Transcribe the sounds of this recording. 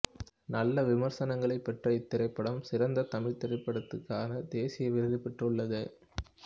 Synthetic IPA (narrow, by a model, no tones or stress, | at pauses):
nɐlːɐʋɪmɐɾsɐnɐŋɡɐɭɐɪpːɛʈrɐɪt̪ːɪɾɐɪpːɐɽɐmsɪɾɐnd̪ɐt̪ɐmɪɻt̪ɪɾɐɪpːɐɽɐt̪ːɯkːaːnɐd̪eːsɪjɐʋɪɾɯɣɪpːɛʈrɯɭːɐðɯ